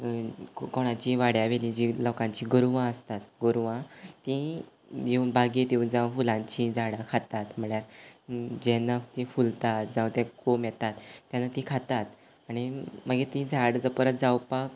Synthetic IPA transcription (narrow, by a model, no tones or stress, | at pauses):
koɽ̃ãt͡ɕiʋaɽjaʋelid͡ʑilɔkãɲt͡ɕiɡəɾuʋãəst̪at̪ɡəɾuʋãt̪ĩ | eunbʱaɡit̪jeund͡zãwfulãɲt͡ɕid͡zaɽakʰat̪at̪m̤əɭjaɾ | d͡ʑɛnːat̪ĩfult̪at̪̚d͡zãwt̪ɛkomjɛt̪at̪ːjanːat̪ikʰat̪at̪ | aɽ̃iməɡet̪ĩd͡zaɽd͡zəpəɾət̪̚d͡zawpak